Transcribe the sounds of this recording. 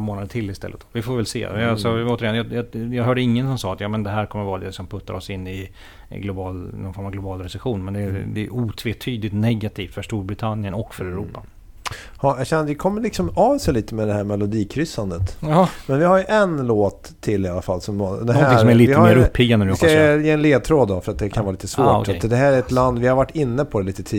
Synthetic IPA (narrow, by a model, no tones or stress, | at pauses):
moːnad̪əʈʰɪlːɪst̪ɛ̰lːə̰t̪vɪfoːɾvɛlsḛːalsɔoːt̪əɾɪjɛnjɑjɑjɑɡɦœːɖəɪŋːənsɔmsɑːat̪jɑːmɛnd̪ɛɦæːɾkʰɔmːəɾvɑːɾad̪ɛsɔmpʰɵt̪ːa̰ɾɔsɪnːɪ | ɡlʊbɑːlnɔnfɔɾmavɡlʊbɑːlɾɛsɛɧuːnmɛnd̪ɛd̪ɛuːt̪ʰveːt̪ʰyːd̪lɪt̪nɛɡat̪ʰiːft̪fœʂʈuːɾbɾɪt̪ʰanjənɔkːfœɾɛɾuːpːa | hɑjɑɡɕɛndɛkʰɔmːəlɪksɔmɑːvsɛliːt̪əmɛd̪ɛhæːɾmɛlʊd̪iːkʰɾʏsːand̪ət̪mɛnvɪhaɾjɵʔɛnloːt̪ʰːɪlɪalːafalːsɔmd̪ɛæsɔmɛliːvɪəameːɾɵpʰːiɡannskajeːɛnleːd̪̚t̪ʰɾoːd̪ːɔfœɾat̪̚d̪ɛkʰanvɑːliːt̪əsvoːad̪ɛɦæːɾæɛt̪land̪vɪhaɾvaʈːɪnːəpʰɔd̪ɛliːt̪ət̪ʰiː